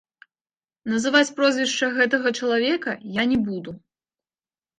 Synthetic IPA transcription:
nɐzɨvat͡sʲpɾɔzʲvʲɛʂt͡ʂɐɣɛt̪ɐɣɐt͡ʂɐlˠavʲɛkɐjanʲɛbud̪u

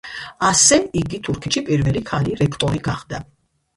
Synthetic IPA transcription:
asɛiɡit̪ʰuɾkʰɛʃipʼiɾvɛlikʰaliɾɛkʰt̪ʼɔɾiɡaχd̪a

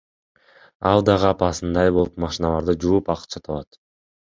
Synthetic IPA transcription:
ɑlˠd̪ɑʁɯɑpɑsɯnd̪ɑjbo̞lˠupmɑʃinɑlˠɑɾd̪ɯd͡ʒuupɑq̪t͡ʃʰɑt̪ʰɑβɑt̪

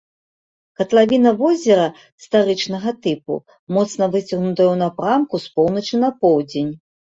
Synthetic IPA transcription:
kɐt̪lˠavʲinɐvɔzʲɛɾɐ | st̪aɾɨt͡ʂn̪ɐɣɐt̪ɨpṵ | mɔt̪snɐvɨt͡sʲɐɣnut̪ɐɣɐwnɐpɾamkuspɔwnɐt͡ʂɨnɐpɔwd͡zʲenʲ

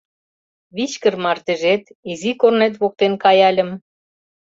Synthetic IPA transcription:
βit͡ɕkə̆rmɑrt̪ĕʒet̪izikornet̪̬βok̚t̪enkɑjɑlʲə̆m

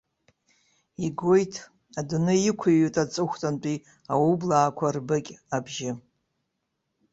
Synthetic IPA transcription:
iɡojtʰ | adunɨjɪkʷʰaɥitʼat͡sʼɨχʷtʼant͡pʼi | awublaːkʷʰarbɨkʲʼabʒɪ

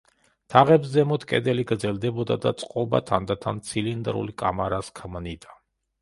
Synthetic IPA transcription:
t̪ʰaʁɛbszɛmɔt̪ʰkʼɛ̰d̪ɛliɡɾd̪zɛld̪ɛbɔd̪ad̪a̰t̪sʼqʼɔba̰t̪ʰand̪at̪ʰant̪sʰilind̪ɾṵlikʼa̰maɾaskʰmnid̪a

